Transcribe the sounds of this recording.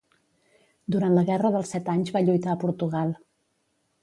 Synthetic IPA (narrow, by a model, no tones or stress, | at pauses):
d̪uɾant̪ləɣɛrəðəlˠsɛt̪aɲzβaʎujt̪aəpuɾt̪uɣalˠ